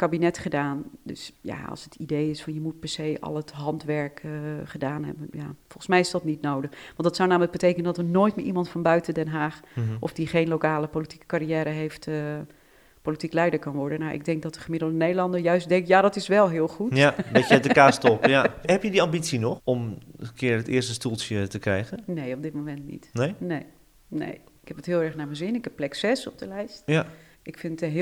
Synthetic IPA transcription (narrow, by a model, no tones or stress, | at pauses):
kabinɛtχədaːndø̰sja̰ɑ̰lˠsətʰidejɪsfɔnjəmut̚pɛɹsejʔɑ̰lˠətɦɑntʋɛɹkχədaːnɦɛ̰bənjafɔlˠxəsmɛjɪsdɔtnitnowdəχʋɑntdɑtsawnaːmələk̚bətejkənəndɔtənoːjtmɪːʔimɑntfɔnbœɥtəndɛnɦaːχʔɔfdiχejnlokaːləpoliti̥kə̥kariɛːɾəɦejftə | politiklɛjdəɹkɑnʋɔɹdənawʔɪ̰ɡ̚dɛŋk̚dɔt̚dəχəmɪdl̩ˠdənejdəlˠɑndəɹjœɥstdɛŋkjadɔtɪsʋɛlˠɦɪəlˠxutbeətəkaːstɔpjaɦɛpjədiɑmbit͡sinɔxɔməkʰɪəətɪːəstəstulˠsjətəkrɛjɣənnejɔb̚dɪt̚momɛntnḭtnenej | nḛjɪkhɛpətɦɪːlˠɛɹχnaməzɪnɪkhɛpːlɛksɛsɔp̚dəlɛjstja | ɪkfɪnətəɦɪ